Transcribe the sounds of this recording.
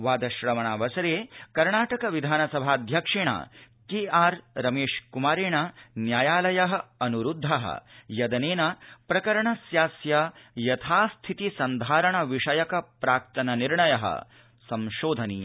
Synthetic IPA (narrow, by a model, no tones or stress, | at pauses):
ʋaːd̪ɐʃɾɐmɐɳaːʋɐsɐɾeːkɐɾɳaːʈɐkɐʋid̪ʱaːnɐsɐbʱaːd̪ʱjɐkʂeɳɐ̰ | keːaːɾɾɐmeːʂkumaːɾeːɳɐnjaːjaːlɐjɐɦɐ̆ɐnuɾud̪ʱːɐɦɐ̰jɐd̪ɐneːnɐpɾɐkɐɾɐɳɐsjaːsjɐjɐt̪ʰaːst̪ʰit̪isɐnd̪ʱaːɾɐɳɐʋiʂɐjɐkɐpɾaːk̚t̪ɐnɐniɾɳɐjɐɦɐ̰ | sɐmʃoːd̪ʱɐniːɐ